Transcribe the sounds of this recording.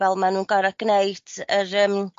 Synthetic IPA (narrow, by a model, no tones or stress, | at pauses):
vɛlˠmanunɡɔɾaɡ̥nejtʰəɾəm